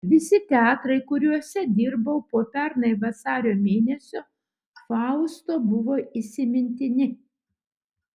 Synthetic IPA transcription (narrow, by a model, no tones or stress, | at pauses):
ʋʲɪsʲɪt̪ʲæːt̪ɾɐɪkʊɾʲuɔsʲɛd̪ʲɪɾbɐʊpoːpʲɛɾnɐɪʋɐsɑːɾʲoːmʲeːnʲɛsʲoː | fɑˑʊst̪oːbʊʋoːɪsʲɪmʲɪnʲt̪ʲɪnʲɪ